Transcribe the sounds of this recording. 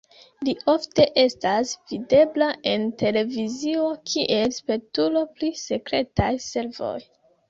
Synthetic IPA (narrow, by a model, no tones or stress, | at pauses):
liofte̞ʔe̞stasv̥ide̞blaʔe̞nte̞le̞vizio̞kʰiʔe̞lspe̞tulo̞plise̞kɾe̞tajse̞ɾvo̞̰j